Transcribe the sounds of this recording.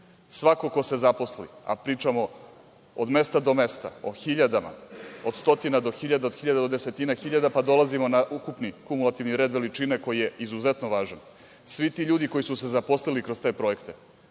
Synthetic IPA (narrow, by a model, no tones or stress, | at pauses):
sʋako̞ko̞se̞zapo̞slḭa̰pɾiːt͡ʃamo | od̪me̞st̪ad̪o̞mest̪a̰oxiʎad̪ama̰od̪st̪o̞t̪inad̪o̞xiʎad̪aod̪̥xiʎad̪ad̪od̪ese̞t̪inaxiʎad̪apad̪o̞lˠazimo̞naʔukupnikumulat̪iʋniɾe̞d̪ʋe̞lit͡ʃineko̞jije̞izuze̞t̪noʋaːʒan | sʋit̪iʎuːd̪iko̞jisuse̞zapo̞slilikɾo̞st̪e̞pɾo̞je̞kt̪e